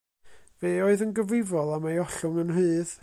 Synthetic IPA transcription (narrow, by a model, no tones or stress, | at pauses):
v̥eːoɨðənɡəvrɪvɔlˠamajɔɬʊŋənrɨːð